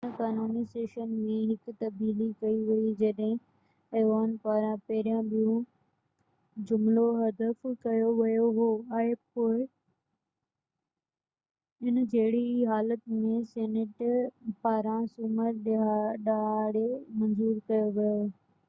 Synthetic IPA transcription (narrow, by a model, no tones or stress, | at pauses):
kaːnuːniseːʃənmẽɦɪkt̪ɐb̚d̪iːlikɐiʋɐid͡ʑɐɗɦɪ̃ | eːʋaːnpaːɾãpɐɦɪɾijãɓijũ | d͡ʑʊmloɦɐd̪əfkɐjoʋɐjoɦoːaːɦepoːɪ | ɪnd͡ʑeɦɪɽiɦaːlət̪mẽseːneʈpaːɾãsʊməɾɗaɗaːɽemɐ̃nzuːɾkɐjoʋɐjo